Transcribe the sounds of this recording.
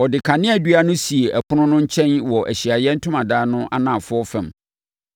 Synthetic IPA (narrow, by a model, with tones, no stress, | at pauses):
ɔ˨dɪ˨kʰa˨nɪ̃˦æ˨dɥa˦nʊ̃˦si˨e˨ʔæ˨kʰʊ˦nʊ̃˦nʊ̃˦ɲ̩˦t͡ɕʰɛ̃˦nwɔ˨ʔæ̰˨ɕi˨a˨jɛ˦n̩˦tʰʊ̃˦mã˨daː˦nʊ̃˦ʔa̰˦nã˨fʊ˦ɔ˦fɛ̰̃˨m